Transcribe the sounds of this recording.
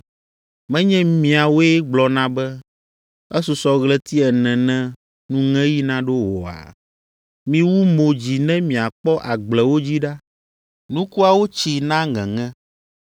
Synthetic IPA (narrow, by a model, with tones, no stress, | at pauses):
mɛ̃˦ɲɛ̃˦mĩ˨a˨wo˦ɛ˦ɡ͡blɔ˨nã˦bɛ˦ | ɛ˦su˨sɔ˨ɣlɛ˦t̪i˦ɛ˨nɛ̃˨nɛ̃˦ | nũ˦ŋɛ̃˦ji˦nã˦ɖo˦wɔ˨a̰˨ | mĩ˦wu˦mo˨d͡ʑi˨nɛ̃˦mĩ˨a˨k͡pɔ˦ʔa˨ɡ͡blɛ˨wo˦d͡ʑi˦ɖa˦ | nũ˦ku˦a˨wo˦t͡ɕi˨nã˦ŋɛ̰̃˨ŋɛ̃˦